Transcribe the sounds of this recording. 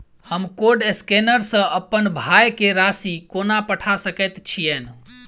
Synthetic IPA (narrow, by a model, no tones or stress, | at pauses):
həmkoɖeskenəɾsə̃ʔəpːənbʱajkeɾasikonapəʈʰasəkɛt̪t͡ʃʰijɛn